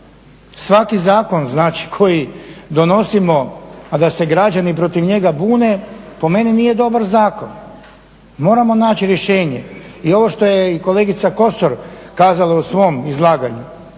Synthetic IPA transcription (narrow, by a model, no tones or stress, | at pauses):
sʋakizaːko̞nznaːt͡ʃi̥kʰo̞jid̪o̞no̞simo̞ad̪ase̞ɡɾad͡ʒanipɾo̞t̪iʋɲe̞ɡabuːne̞po̞me̞niniːje̞d̪o̞baɾzaːko̞n | mo̞ːɾamo̞naːt͡ɕiɾjeʃe̞ːɲe̞̰io̞ʋo̞ʃt̪o̞jeiko̞le̞ɡit̪sako̞soɾkaːzalˠausʋo̞mizlˠaːɡaɲu